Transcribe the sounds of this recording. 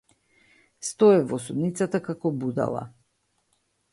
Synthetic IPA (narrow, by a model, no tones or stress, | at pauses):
st̪ɔɛvɔsud̪nit̪sat̪akakɔbud̪a̰lˠa̰